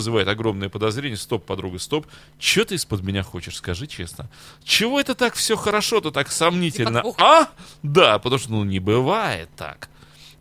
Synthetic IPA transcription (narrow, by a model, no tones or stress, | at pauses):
zɨvajɪt̪ɐɡɾo̞mnəjəpəd̪ɐzɾʲenʲɪjəst̪o̞pːɐd̪ɾuɡəst̪o̞p | t͡ɕɪot̪ɨɪspəd̪mʲɪnʲaxo̞t͡ɕɪʂskɐʐɨt͡ɕe̞̰snə | t͡ɕɪvo̞ɛt̪ət̪akfsʲoxəɾɐʂoɛt̪ət̪aksɐmnʲitʲɪlʲnəad̪apə̥t̪ɐmuʂt̪onunʲɪbɨvajɪ̰t̪ːa̰k